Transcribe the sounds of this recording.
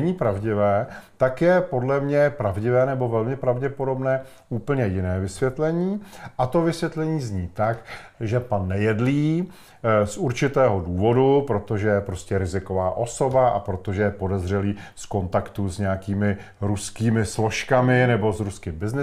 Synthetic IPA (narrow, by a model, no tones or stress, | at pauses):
ɛɲiːpɾavɟɪvɛːt̪akjɛpo̞dlɛmɲɛpɾavɟɪvɛːnɛbo̞vɛlmɪpɾavɟɛpo̞do̞bnɛː | uːpl̩ɲɛjɪnɛːvɪsvjɛt̪lɛɲiːʔat̪o̞vɪsvjɛt̪lɛɲiːzɲiːt̪akʒɛpanːɛjɛdliː | sʔuɾt͡ʃɪt̪ɛːɦoduːvo̞dupɾo̞t̪o̞ʒɛjɛpɾo̞scɛɾɪzɪko̞vaːʔo̞so̞baʔapɾo̞t̪o̞ʒɛjɛpo̞dɛzr̝ɛliː | sko̞nt̪akt̪uzɲɛjakiːmɪ | ɾuskiːmɪslo̞ʃkamɪnɛbo̞sɾuskɪmbɪznɪ